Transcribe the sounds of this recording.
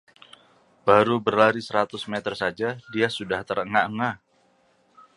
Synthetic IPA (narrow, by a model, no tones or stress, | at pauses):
b̥aɾubərlaɾisəɾat̪ʊsmɛt̪ərsad͡ʒadiasudaht̪əɾəŋaʔəŋa